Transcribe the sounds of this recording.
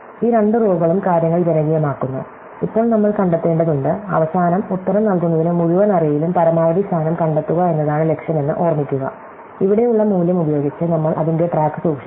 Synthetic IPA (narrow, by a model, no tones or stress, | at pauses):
iːɾe̞ɳɖɨroːbɣɐɭumkaːɾjɐŋːɐɭd͡ʑenɐŋɡijɐmaːkːunːɐ̰ | ipːo̞ːɭnɐmːɐɭkɐɳɖet̪ːeːɳɖɐðuɳɖɨɐ̰ʋɐsaːnɐmut̪ːɐɾɐmnɐlkunːɐðinɨmuðuʋɐnɐrijilumpɐɾɐmaːʋɐɽist̪ʰaːnɐmkɐɳɖet̪ːuɣɐe̞nːɐðaːɳɨle̞kʂjɐme̞nːɨʔo̞ːrmikʲːuɣɐ̰ | iʋiɽe̞juɭːɐmuːljɐmubɐjo̞ːɡit͡ɕːɨnɐmːɐɭʔɐ̰ðinde̞ʈraːkːɨ̥suːkʂi